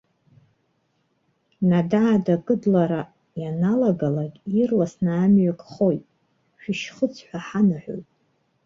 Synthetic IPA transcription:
nadaʕadakʼɨdlaɾa | janalaɡalaɡʲirlasnaːmɥakʼχo̞jtʼ | ʃᶣiʃχət͡sʰħʷaħanaħʷᶣo̰jtʼ

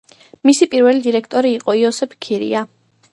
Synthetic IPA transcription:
misipʼiɾvɛlid̪iɾɛkʰt̪ʼɔɾiːqʼɔiɔsɛpʰkʰiɾḭa

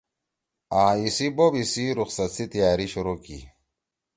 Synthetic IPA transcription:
ãːisibobisiɾuqsɐt̪sit̪ijaːɾiɕuɾokḭ

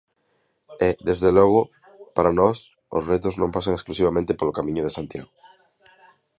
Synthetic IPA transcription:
eðezðelɔɣʊ | paɾanɔs | o̰sret̪oznõmpasaŋesklusiβamẽnt̪epolokamĩɲʊðesãnt̪jaɣo

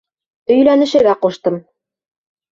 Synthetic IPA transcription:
ɵ̆jlænɘ̆ʃɘ̆ɾɡæqoʃt̪ɤm

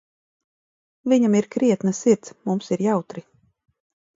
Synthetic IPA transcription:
viɲamiɾkɾiɛt̪nasiɾt̪smumsiɾjawt̪ɾi

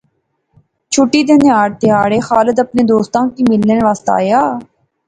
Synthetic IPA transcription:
t͡ʃʰʊʈːiːd̪eːneaːɽt̪ɪaːɽeːxaːləd̪əpneːd̪oːst̪ãːkiːmɪlːenʋaːst̪a̰ːjaː

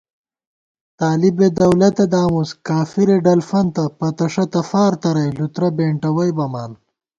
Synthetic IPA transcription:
t̪aːlibed̪ɐwlɐt̪ed̪aːmuskaːfiɾeɖɐlfɐnt̪ɐpɐt̪ɐʂɐt̪ɐfaːɾt̪ɐɾɐjlut̪ɾɐbeːɳʈɐwɐjbɐmaːn

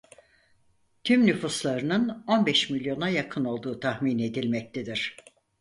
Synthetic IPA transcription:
t̪ʰymnyfuslˠaɾɯnɯno̞nbɛʃmilʲjo̞najakʰɯno̞lˠd̪uːt̪ʰahmine̞d̪ilʲmɛc̚t̪ʰed̪iɾ̝̥

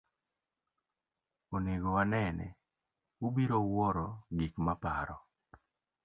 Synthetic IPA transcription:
oneɡɔwanɛnɛ̰ | ubiɾowɔɾɔɡikmapaɾɔ

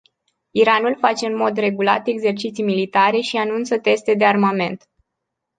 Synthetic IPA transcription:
iɾanulfat͡ʃe̞ɨnmo̞d̪re̞ɡula̰t̪e̞ɡze̞rt͡ʃit̪sijmilit̪aɾe̞ʃianunt̪sət̪e̞st̪e̞d̪e̞armame̞nt̪

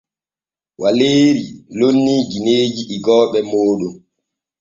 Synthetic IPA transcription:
waleːɾilonːiːd͡ʒineːd͡ʒiʔːɡɔːɓɛmoːɗum

